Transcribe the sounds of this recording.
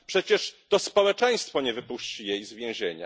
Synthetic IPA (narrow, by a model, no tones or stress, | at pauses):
pʂɛt͡ɕɛʂt̪ɔspɔwɛt͡ʂɛ̃j̃st̪fɔɲɛvɘpuɕt͡ɕijejzvʲjɛ̃w̃ʑeɲa̰